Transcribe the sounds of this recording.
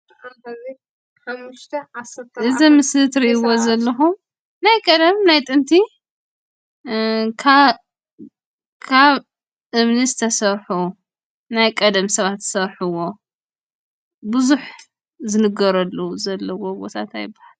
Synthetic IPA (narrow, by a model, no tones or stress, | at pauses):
ħamːɨʃt̪ʰɐasɐt̪ɨzimɨsɨt̪ɾiʔiwozɐlːɐxum | najkʼɐd̪ɐmnajt̪ʼɨnt̪ʰi | kʰa | kʰaβ | ʔɨβnizɨt̪ʰɐsɐɾħu | najkʼɐd̪ɐmsɐβat̪ːɨ̥sɐɾħɨwo̞ | bɨzuħ | zɨnɨɡɐɾɐlːɐuzɐlːɐwobo̞̰t̪ʰat̪ajɪbːahal